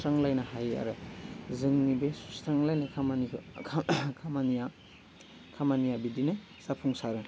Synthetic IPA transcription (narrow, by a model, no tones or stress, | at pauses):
ɾaŋlajnɐhaja̰ɾɯzɯŋnibesu̥sɾaŋlajnɐkʰamani | kʰamanja | kʰamanijabidinɯ | z̥apʰuŋsaɾɯ